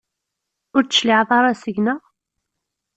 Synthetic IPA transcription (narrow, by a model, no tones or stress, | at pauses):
ʊɾt͡sːə̥ʃliʕðˤɑɾˤɑsəʝnəʁ